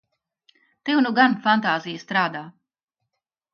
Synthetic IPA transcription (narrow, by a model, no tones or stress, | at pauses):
t̪eunuɡanfant̪aːzijɐst̪ɾaːd̪aː